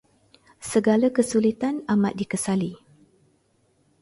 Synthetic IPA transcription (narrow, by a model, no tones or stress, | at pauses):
səɡalakəsulit̪anamat̪̚dikəsali